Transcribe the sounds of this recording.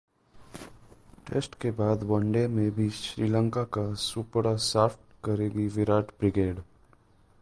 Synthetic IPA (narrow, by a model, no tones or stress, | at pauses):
ʈḛːsʈkebaːd̪bɔ̃ːɳɖemẽbʱiʃɾiːlə̃ŋkakasupɾasaːfʈkɐɾeːɡiʋɪɾaːʈbɾɪɡeːɖ